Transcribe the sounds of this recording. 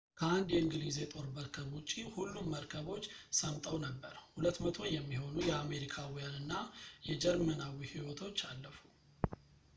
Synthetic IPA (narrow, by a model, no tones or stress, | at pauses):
kʰəand̪jɛɨŋɡɨlize̞t̪ʼo̞ɾbəɾkʰəβut͡ʃʼːihulːumːəɾkʰəβo̞t͡ʃːsəmt̪ʼəwnəbːəɾhulət̪ːmət̪ʰo̞jɛmːiho̞nujɛame̞ɾikʰawijanɨnːajɛd͡ʒɛɾmənawihiwɔt̪ʰo̞t͡ʃːalːəfu̥